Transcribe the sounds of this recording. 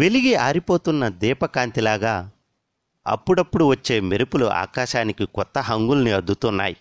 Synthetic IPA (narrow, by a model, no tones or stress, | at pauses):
ʋe̞liɡiaːɾipo̞ːt̪unːɐd̪iːpɐkaːnt̪ilaːɡaː | ɐ̰pːuɽɐpːuɽuʋɐt͡ʃːe̞ːmiɾupuluʔa̰ːkaːʃaːnikikɔt̪ːɐɦɐŋɡulɐniɐd̪ʱːut̪unːa̰ːji